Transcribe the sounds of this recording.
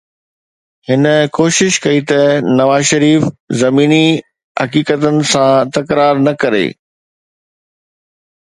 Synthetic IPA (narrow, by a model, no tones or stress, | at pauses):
hɪnə̆koːʃɪʃkɐit̪ɐnɐʋaːzʃɐɾiːfzɐmiːni | ɦɐ̰kiːkət̪ənɪ̆sãt̪ɐkɾaːɾnɐkɐɾḛː